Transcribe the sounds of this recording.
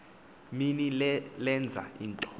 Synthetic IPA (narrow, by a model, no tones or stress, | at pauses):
minillɛnd͡zʱa̰inǃ